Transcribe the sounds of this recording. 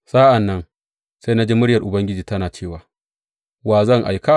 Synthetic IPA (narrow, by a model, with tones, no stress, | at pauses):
saː˦ʔa˨nːɐ˦ŋ | sa˦jna˦d͡ʒeː˦mʊ˦ɽjɐ˨rʔʊ˨bɐ˦ŋɡʲɪ˦d͡ʒiː˨tɐ˦naː˨t͡ʃeː˦˨waː˨ | waː˨zɐ˦ŋʔa˨jka˦